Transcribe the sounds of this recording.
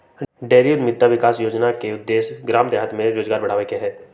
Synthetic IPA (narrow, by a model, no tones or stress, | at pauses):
ɖeːɾijud̪mɪd̪ʱːaʋɪkaːsjoːd͡ʒnakeʊd̪ːeːʃɡɾaːmd̪ɛɦət̪mẽɾoːd͡ʒɡaːɾbɐɽ̤aːʋekeɦɛː